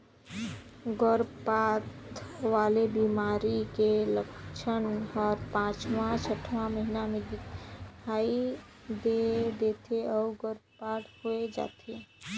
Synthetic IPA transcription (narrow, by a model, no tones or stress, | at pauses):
ɡəɾpat̪ʋaːlebimaːɾikeləkt͡ʃʰənɔːɾpãːt͡ʃmãt͡ʃəʈʰʋãməɦinamẽd̪ɪkʰai | d̪ed̪et̪ʰeɔʊɡəɾpaʈhoed͡ʒa̰ːt̪ʰe